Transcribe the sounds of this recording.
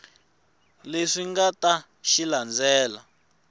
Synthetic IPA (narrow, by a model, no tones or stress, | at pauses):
leʂiŋɡata | ʃiland͡zɛːla